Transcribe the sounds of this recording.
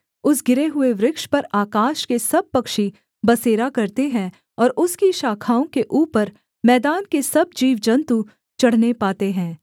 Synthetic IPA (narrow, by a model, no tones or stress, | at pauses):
ʊsɡɪɾeɦʊeʋɾɪkʃpɐɾaːkaːʃkesɐb̚pɐkʃi | bɐseːɾakɐɾt̪eɦɛ̃ | ɔːɾʊskiʃaːkʰaːõkeʔuːpəɾ | mɛːd̪aːnkesɐb̚d͡ʒiːʋd͡ʒɐ̃nt̪u | t͡ʃɐɽ̤nepaːt̪eɦɛ̃ː